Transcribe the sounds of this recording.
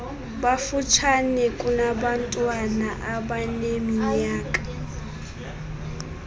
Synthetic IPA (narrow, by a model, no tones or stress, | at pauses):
ɓafut͡ʃʰanɛkʼunaɓantʼwanaʔaɓanemiɲaːkʼḁ